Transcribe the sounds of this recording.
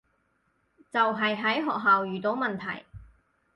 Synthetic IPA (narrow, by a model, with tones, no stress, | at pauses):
t͡sɐ˨wɦɐ˨jɦɐ˨˥jɦɔː˨k̚ɦaː˨wjyː˨˩t̪o˨˥wmɐ˨nt̪ʰɐ̰˨˩j